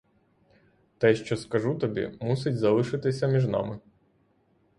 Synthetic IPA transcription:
t̪ɛʃt͡ʃɔskɐʒut̪ɔbʲḭmusʲɪtʲzɐlˠɪʃɪt̪ɪsʲɐmʲiʒnɑ̰mɪ

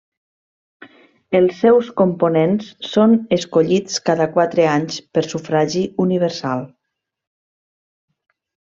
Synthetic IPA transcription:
əlˠsːɛwskomponensːonəskoʎit͡skaðəkwat̪ɾəaɲspəɾsufɾaʒiuniβəɾsalˠ

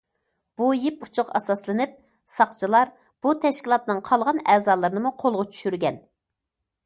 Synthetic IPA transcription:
b̥ujiput͡ʃʰʊqɛsɑslˠɨnɨp̚ | sɑqt͡ʃʰɨlˠɑɾ | b̥ut̪ʰɛʃkʲilˠɑt̪nɨŋqʰɑlˠʁɑnɛːzɑːlˠɨɾɨnɨmuqʰolˠʁɑt͡ʃʰy̥ʃyɾɡʲɛn

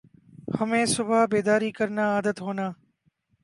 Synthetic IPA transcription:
hɐmẽːsʊbʱabeːd̪aːɾiːkəɾnaaːd̪ət̪ɦoːnaː

